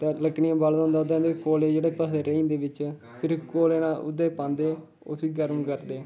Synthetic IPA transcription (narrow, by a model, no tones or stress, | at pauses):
t̪ẽːləkɳijãːbaːld̪aɦoːnd̪aʊd̪ẽːnd̪ekoːleːd͡ʒeːɽeːpəsd̪eːɾəĩːnd̪eːʋɪt͡ʃ | pʰɪɾkoːleːnãːʔʊ̰d̪eːpãːnd̪eː | o̰ːsiːɡəɾmkəɾd̪eː